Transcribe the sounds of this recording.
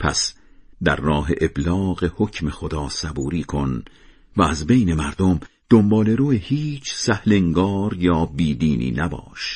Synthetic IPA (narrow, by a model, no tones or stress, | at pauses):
pʰæ̰s | d̪æɾːɒːɦe̞ʔeblɒːɣe̞ho̞cʰme̞xod̪ɒːsæbuːɾiːkʰo̞n | væːzbe̞jne̞mæɾd̪omd̪̥ombɒːle̞ɾuːehiːt͡ʃʰsæhle̞ŋɡɒːɾjɒːbiːd̪iːnʔḭːnæbɒ̰ːʃ